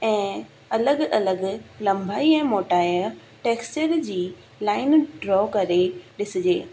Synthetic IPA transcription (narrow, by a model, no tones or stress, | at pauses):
ɛ̃ː | ɐləɡɐləɡlɐ̃mbʱaːiɛ̃ːmoːʈaːj | ʈeːkst͡ɕəɾd͡ʑiː | laːɪnɖɾɔːkɐɾeɗɪsɪd͡ʑḛː